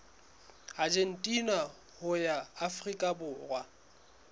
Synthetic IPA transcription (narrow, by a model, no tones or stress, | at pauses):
ad͡ʒen̩tʼina | hʊjaːfrikʼabʊːrwa